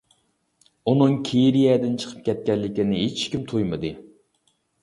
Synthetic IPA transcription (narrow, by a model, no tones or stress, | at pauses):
unɨŋkʲʰeɾijɛd̪ɪnt͡ʃʰə̥qʰə̥p̚kʲʰɛt̪̚kʲɛnlːɪkʲinɪɦet͡ʃkʲimt̪ʰujmɨd̪ɨ